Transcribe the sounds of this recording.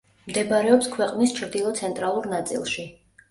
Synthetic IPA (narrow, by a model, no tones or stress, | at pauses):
md̪ɛbaɾɛɔpskʰwɛqʼnist͡ʃʰɾd̪ilˠɔt̪sʰɛnt̪ʼɾalˠuɾnat̪sʼḭlˠʃi